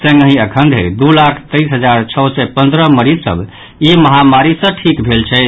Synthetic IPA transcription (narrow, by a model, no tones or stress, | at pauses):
sə̃ŋɡəɦĩəkʰənd̪ʱḛd̪ulakʰt̪əisɦəd͡ʒaɾt͡ʃʰəsɛpənd̪ɾəməɾisə̰b | iməɦamaɾisə̃ʈʰikbʱelt͡ʃʰɛ